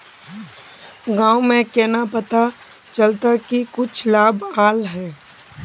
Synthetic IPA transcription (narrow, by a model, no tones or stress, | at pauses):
ɡãːʊmẽkɛnapɐt̪a | t͡ʃəlt̪akikʊt͡ʃʰlaːbaːlɦɛː